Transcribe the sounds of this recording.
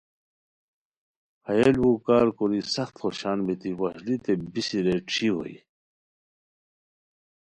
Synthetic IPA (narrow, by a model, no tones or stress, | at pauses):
hɐjelukaːɾkoɾisɐxt̪xoɕaːnbit̪iwɐslit̪ebisiɾeʈ͡ʂʰiɦo̰i